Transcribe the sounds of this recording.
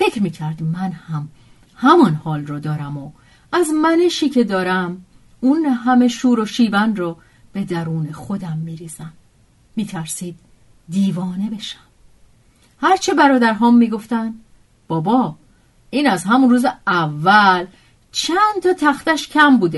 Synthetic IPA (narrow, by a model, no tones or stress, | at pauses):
fe̞cʰɾmiːkcʰæɾd̪mænhæm | hæmɒnhɒːlrɔːd̪ɒːɾæmo | æzmæneʃiːcʰe̞d̪ɒːɾæm | unɦæme̞ʃuːɾo̞ʃiːbænrɒː | b̥e̞d̪æɾuːne̞xo̞d̪æmːiːɾiːz̥æm | miːt̪ʰæɾsiːd̪̥̚ː | iːvɒːne̞be̞ʃæ̥m | hæɾt͡ʃʰe̞bæɾɒːd̪æɾɦɒːmːiːɡo̞ft̪ænd̪ | b̥ɒːbɒː | iːnæzɦæmunruːzeævːæl | t͡ʃʰænd̪t̪ʰɒːt̪ʰæxt̪æʃcʰæmbuːd̪e